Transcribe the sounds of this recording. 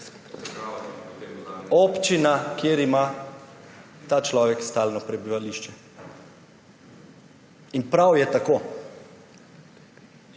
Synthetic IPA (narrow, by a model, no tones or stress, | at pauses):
oːpt͡ʃinakjeːɾima | t̪aːt͡ʃlɔːʋɛkst̪aːlnɔpɾɛbiʋaliʃt͡ʃɛ | inpɾawjɛt̪akoː